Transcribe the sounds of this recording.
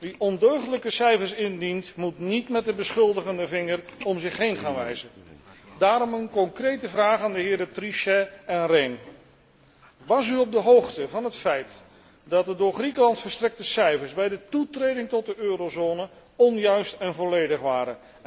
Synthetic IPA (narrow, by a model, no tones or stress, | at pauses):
ʋiʔɔndøɥχələkəsɛjfəɹsɪndintmutnitmɛt̚dəbəsχɵlˠdəχəndəvɪŋərɔmzɪχɦejnχaːnʋɛjzədaːɾɔmənkɔŋkrejtəvraːχaːndəɦɪːɹtriʃɛɛnrɛjn | ʋɑsyɔb̚dəɦowχtəvɑnɦətfɛjt | dɑt̚dədʊːɹχrikəlɑntfəɹstrɛk̚təsɛjfəɹzbɛjdətutrejdɪŋtɔt̚dəʔøːɾozonə | ɔnjœɥstɛnvɔlejdəχʋaːɾən